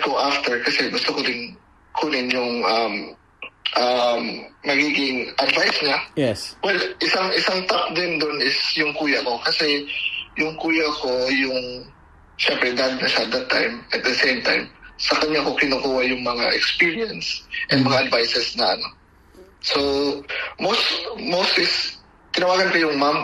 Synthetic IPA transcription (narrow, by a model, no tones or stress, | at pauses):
ɡoʔaft̪ɛɹkɐsɛbʊst̪ʊkodɪn | kʰunɪnjʊŋʔɐm | ʔɐmːɐɡiːɡɪŋʔɐd̪vajsɲajɛwɛlʔɪsaŋʔɪsaŋt̪ak̚d̪ɪnd̪onɪsjʊŋkuːjɐko̞kɐsɛjʊŋkuːjɐko̞jʊŋ | ʃɛmpɾɛd̪aɡ̚nɐʃaɐt̪̚d̪ɐt̪ːa̰jmɐt̪̚d̪ɐsẽjmt̪a̰jmsɐkɐɲːako̞kɪnʊkuːwɐjʊŋmɐŋa̰ʔɛkspiɹiɐnsʔɛnmɐŋaʔɐd̪vajsɛsnɐʔɐ̰no̞ | so | mosmowst̪ɪs | kɪnɐwaːɡɐnkɐjʊŋmam